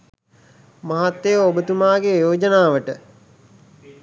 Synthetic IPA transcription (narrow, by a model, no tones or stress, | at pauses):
maɦat̪ːejəobət̪umaːɡejoːd͡ʒənaːʋəʈə